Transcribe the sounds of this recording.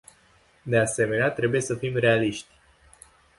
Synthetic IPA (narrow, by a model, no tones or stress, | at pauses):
d̪e̞ase̞me̞neat̪ɾe̞buje̞səfimre̞aliʃt̪ʲ